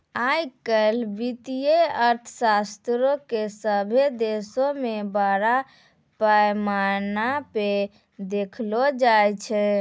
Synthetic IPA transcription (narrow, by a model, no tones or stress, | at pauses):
ajkəlbit̪ijeəɾt̪ʰəsast̪ɾokesəbʱed̪esomebaɾa | pəmaɾnape | d̪ekʰlod͡ʒajt͡ʃʰɛ